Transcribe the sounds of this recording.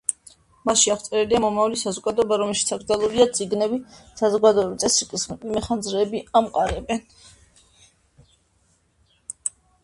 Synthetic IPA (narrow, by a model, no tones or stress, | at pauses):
maʃiaχwt̪sʼɛɾɛliamɔmavalisazɔɡad̪ɔɛbaɾɔmɛlˠʃit̪sʰak̚ɾd̪zalˠuɾiad̪t̪sʼiɡnɛbisazɔɡad̪ɔɛbit̪sʼɛsɾikʼismɛχand̪zɾɛːbiamqʼaɾɛbɛn